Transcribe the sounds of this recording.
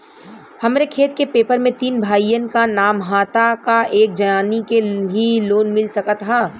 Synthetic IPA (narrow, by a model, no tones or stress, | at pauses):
hɐmɾekʰeːt̪kepeːpəɾmẽt̪iːnbʱaːijənkanaːmɦaːt̪akaeːk̚d͡ʒɐjaːnikeɦiloːnmɪlsɐkət̪ɦaː